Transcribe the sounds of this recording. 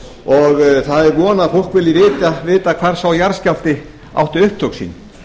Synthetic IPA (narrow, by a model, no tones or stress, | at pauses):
ɔɣθaðɛɾvɔːnafolkvɪlːɪvɪːt̪avɪːt̪akʰv̥aɾ̥sawjaɾ̥scal̥t̪ɪ | a̰wht̪ʏʏhp̚t̪ʰowksḭn